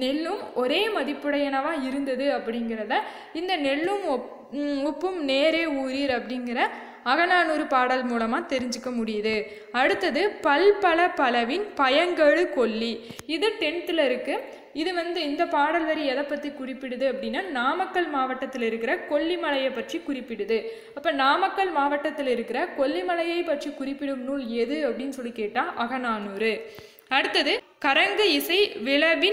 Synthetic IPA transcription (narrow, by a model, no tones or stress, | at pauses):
nɛɭːɯmɔɾeːmɐðɪpːɯɽɐjɐnɐʋãːɪɾɯnd̪ɐðɯɐpːɐɽɪŋɡɪɾɐðaː | ɪnd̪ɐnɛɭːɯmɔp | ɔpːɯmneːɾeːuːɾiːɾɐpːɐɽɪŋɡɪɾɐ | ɐɣɐnaːnuːɾɯpaːɽɐlmuːlɐmaːt̪ɛɾɪɲd͡ʒɯkːɐmʊɽɪjɐðɯ | ɐɽɯt̪ːɐðɯpɐlpɐlɐpɐlɐʋɪnpɐjɐŋɡɐɻɯkɔɭːiɪðɯʈɛɳt̪ɪlɐɪɾɯkːɯ | ɪðɯʋɐnd̪ɯɪnd̪ɐpaːɽɐlʋɐɾiɛðɐpːɐt̪rɪkʊrɪpːɪɽɯðɯɐpːɐɽɪnːaːnaːmɐkːɐɭmaːʋɐʈːɐt̪ːɪlɪɾɯkːɪɾɐkɔɭːimɐɭɐjɐɪpːɐʈrikʊrɪpːɪɽɯðɯ | ɐpːɐnaːmɐkːɐɭmaːʋɐʈːɐt̪ːɪlɪɾɯkːɪrɐkɔɭːimɐɭɐjɐɪpːɐʈrikʊrɪpːɪɽɯmnuːɭɛðɯɐpːɐɽɪnːɯsɔlːikeːʈːãːʔɐɣɐnaːnuːɾɯ | ɐɽɯt̪ːɐðɯ | kɐɾɐŋɡɯɪsɐɪʋɪɭɐʋɪ